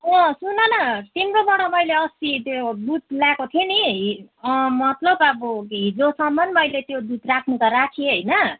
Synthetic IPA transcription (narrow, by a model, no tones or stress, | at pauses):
ʌ̃sunʌnʌt̪imɾobʌɽʌmʌjleʌst̪it̪jod̪ut̪̚ljakot̪ʰieniʌmʌt̪lʌbʌbʌɦid͡zosʌmbʌnmʌjlet̪jod̪ut̪rakʰnukaɾakʰieɦʌjnʌ